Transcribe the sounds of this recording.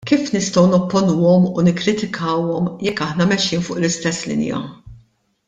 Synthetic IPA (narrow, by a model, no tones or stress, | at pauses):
kiːfnɪst̪ɔwnɔpːɔnuːɔmunɪkːɾɪt̪ɪkʰɐːwɔmjɛkːɐħnɐmɛʃːiːnfʊːʔlɪst̪ɛsːlɪ̰njɐ̰